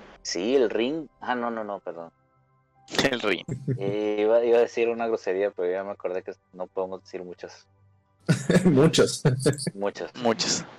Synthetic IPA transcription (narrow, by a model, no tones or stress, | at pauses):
sielriŋano̞no̞no̞pe̞ɾðo̞n | elrḭŋ | iβaiβaðe̞siɾunaɣɾo̞se̞ɾiapeɾoameako̞ɾðe̞ke | no̞poðemo̞zðesiɾmut͡ʃas | mut͡ʃasmut͡ʃasmut͡ʃḁs